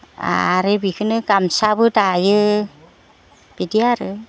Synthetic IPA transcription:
a̰ɾebikʰɯnɯkamsabɯdajɯ | b̥idiaɾɯ

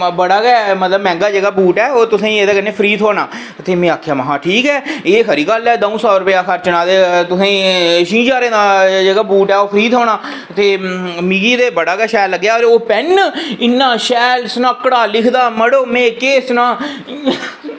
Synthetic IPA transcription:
bəɽaːɡɛːmət̪ləbmɛ̃ːŋɡaːd͡ʒeːɡaːbuːʈɛːoːt̪ʊsãːĩeːd̪eːkəneːpʰəɾiːt̪ʰoːnaː | t̪eːmɛ̃ːaːkʰjaːmaɦãːʈʰiːkɛːeːɦəɾiːɡəlɛːd̪əũːsɔːɾʊpejaːkʰəɾt͡ʃənaːd̪eːt̪ʊsãːĩʃĩːd͡ʒaːɾẽːd̪aːd͡ʒeːɡaːbuːʈɛːoːpʰəɾiːt̪ʰoːnaː | t̪eːmiːɡiːd̪eːbəɽaːɡɛːʃɛːləɡːjaːoɾoːpɛnɪnːãːʃɛːlsnakːɽaːlɪkʰd̪aːməɽoːmẽːkeːsnãː

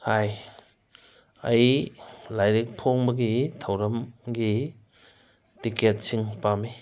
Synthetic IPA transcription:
haj | ɐ̰jlajɾik̚pʰoŋbɐɡitʰɐwɾɐmɡi | tiket̚siŋpami

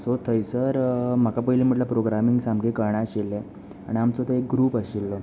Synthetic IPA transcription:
sot̪ʰəjsəɾm̤akapəɦilim̤əʈləpɾoɡɾamiŋɡsamɡekəɳ̃aɕelːe | aɽ̃iamt͡sot̪əek̚ɡɾuːpəɕilːɔ

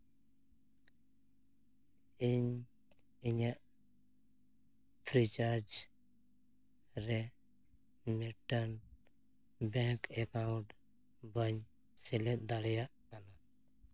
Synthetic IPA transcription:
iɲ | iɲaʔ | pʰɾit͡ʃaɾd͡ʒ | ɾɛ | miʈan | bɛŋkɛkawɳʈ | bəɲ | sɛlɛt̪̚ˀd̪aɽɛjaʔkana

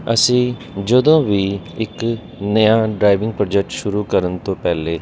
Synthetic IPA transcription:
əsĩː | d͡ʒəd̪õːʋiːɪk | nəjãːɖɾaːiʋɪ̃ŋɡ̚pɾɔːd͡ʒɛk̚ʈʃʊɾuːkəɾənt̪õːpɛːleː

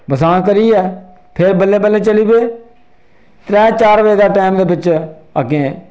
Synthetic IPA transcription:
bəsãːk̬əɾiːɛː | pʰɪɾbəlːeːbəlːeːt͡ʃəliːbeː | t̪ɾɛ̃ːt͡ʃaːɾʋeːd̪aːʈɛːmd̪eːbɪt͡ʃəɡẽː

